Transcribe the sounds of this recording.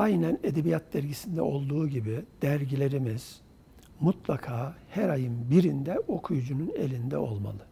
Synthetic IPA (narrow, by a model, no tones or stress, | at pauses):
ajnæne̞d̪ebijat̪̚d̪æɾɟisind̪ɛ̰o̞lˠd̪uːɟibid̪̥æɾɟilʲe̞ɾimiz̥ | mut̪lˠakʰaːhæɾajɯnbiɾind̪ɛo̞kʰujud͡ʒunune̞̰lʲind̪ɛ̰o̞lˠma̰lˠɯ